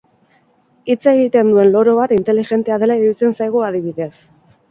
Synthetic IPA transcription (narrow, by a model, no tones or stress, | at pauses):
it͡seɣit̪e̞nd̪ue̞nlo̞ɾo̞β̞at̪int̪e̞liʝe̞nt̪e̞aðe̞laiɾit͡se̞nsajɣ̞uaðiβ̞iðe̞s